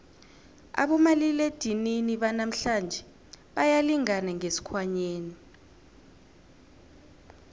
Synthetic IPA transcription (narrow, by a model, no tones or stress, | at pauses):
a̰ɓɔmaliled̥ʱininiɓanam̩ɬand͡ʒʱɛ | ɓajaliŋanaŋesi̥kʰwaɲeːni